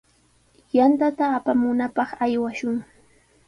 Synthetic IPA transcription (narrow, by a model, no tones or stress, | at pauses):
jant̪at̪aːpamʊnapɑχajwaʃʊŋ